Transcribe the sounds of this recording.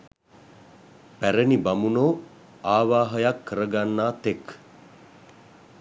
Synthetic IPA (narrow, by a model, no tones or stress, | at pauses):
pæɾənibamunoː | aːʋaːɦəjakʰːəɾəɡanːaːt̪ek